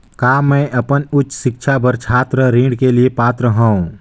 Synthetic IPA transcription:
kaːmɛ̃ːʔɐpənʊtːsɪkʃʰabəɾt͡ʃʰaːt̪ɾəɾĩːɖkeliepaːt̪ɾəɦãːũ

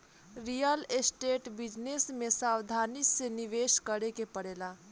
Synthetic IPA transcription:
ɾijəlesʈeʈbid͡ʒnesmesawd̪ʱaniseniʋeskəɽekepəɽela

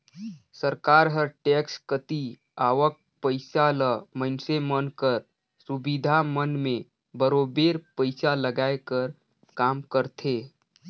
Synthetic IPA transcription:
səɾkaːɾɦəɾʈekskət̪i | aːʋək̚pəɪsaləmənsemənkəɾ | subid̪ʱamənmẽ | bəɾobeɾpəɪsaləɡaːekəɾ | kaːmkəɾt̪ʰe

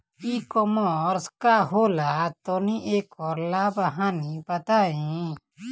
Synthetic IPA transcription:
iːkɔmɔɾskaɦoːlat̪oːniʔeːkɔːɾlaːbəɦãːnipɐt̪aːĩ

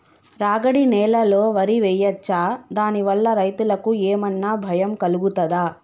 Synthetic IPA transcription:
ɾaːɡɐɽinɛːlɐlo̞ːʋɐɾiʋɛjɐt͡ʃːaːd̪aːniʋɐlːɐɾɐjt̪ulɐkueːmɐnːaːbʱɐjɐmkɐluɡut̪ɐd̪aː

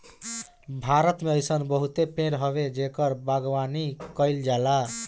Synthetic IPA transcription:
bʱaɾʌt̪meʌjsʌnbʌɦut̪epẽɽɦʌβed͡ʒekʌɾbaɡwanikʌjld͡ʒala

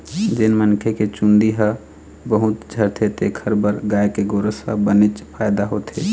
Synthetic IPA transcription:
d͡ʒenmənkʰeket͡ʃund̪iɦə | bəɦut̪d͡ʒʱəɾt̪ʰet̪ekʰəɾbəɾɡajkeɡoɾəsə̰bənɪt͡ʃpʰajd̪aɦot̪e

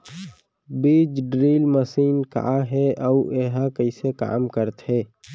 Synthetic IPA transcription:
biːd͡ʒɖɾiːlməsiːnka̰ɦɛaeɦakəɪseka̰ːmkəɾt̪ɦɛː

